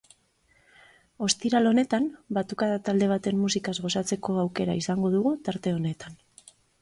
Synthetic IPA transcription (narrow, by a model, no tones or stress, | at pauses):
o̞st̪iɾalo̞ne̞t̪anbat̪ukaðat̪ald̪e̞β̞at̪e̞mːusikazɣo̞sat͡se̞ko̞awke̞ɾaisaŋɡo̞ðuɣut̪aɾt̪e̞o̞ne̞t̪an